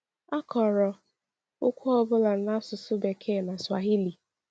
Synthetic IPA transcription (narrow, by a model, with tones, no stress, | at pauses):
a˦kɔ˨ɾɔ˨ | ʊ˦kʷɔ˦ɔ˦bʊ˦la˨n̩˨˦na˦sʊ˨sʊ˦be˨kʰe˦˨na˨swa˨ɦi˦li˨